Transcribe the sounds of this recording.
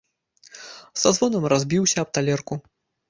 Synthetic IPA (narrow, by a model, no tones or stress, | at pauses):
sazvɔnɐmrazʲbʲiwsʲɐːb̚t̪alʲɛrku